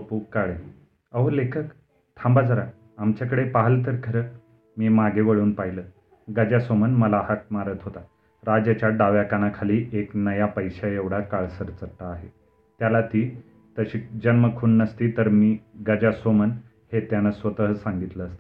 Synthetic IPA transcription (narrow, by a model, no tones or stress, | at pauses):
əpuːkːaɭe | əʋəlekʰək | t̪ʰãmbad͡zʱəɾa | amt͡ɕakəɽepaɦəlt̪̬əɾkʰəɾəː | miːmaɡeʋəɭuːnpaɦilə | ɡəd͡ʑasʋomənməlaɦak̚maɾət̪ɦot̪a | ɾad͡ʑat͡ɕjaɖaʋjakanakʰaliːʔeknəjapəjɕaeʋɽ̤akaɭsəɾt͡səʈːaːɦe | t̪jalat̪iː | t̪əɕiːd͡ʑənməkʰuːnːəst̪iːt̪əɾmiːɡəd͡ʑasʋomən | het̪janasʋət̪əɦəsãŋɡit̪ləːst̪ə̥